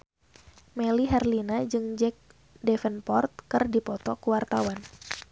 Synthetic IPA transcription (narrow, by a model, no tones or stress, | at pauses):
mɛliɦɛrlinad͡ʒɨŋd͡ʒɛk̚ | dɛfənpɔrt̪̚kɨrdipɔt̪ɔkuwart̪awan